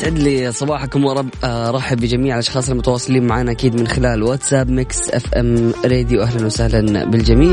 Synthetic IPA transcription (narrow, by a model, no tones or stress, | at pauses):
t̪ʕɪd̪lisˤɑbɑːħakʊmwɾˤɑbɾˤɑːħɪbɪd͡ʒamiːʕalʔɑʃxɑːsˤɑlmʊt̪awɑːsˤɨliːnmaʕaːnaʔakiːd̪mɪnxɪlaːlwat̪saːbmɪksʔa̰fʔamɾeːd̪juʔaɦlanwɪsahlanbɪld͡ʒamiː